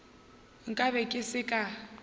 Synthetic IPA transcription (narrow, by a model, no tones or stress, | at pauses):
ŋ̩kʼaβɛkʼɪsɪkʼa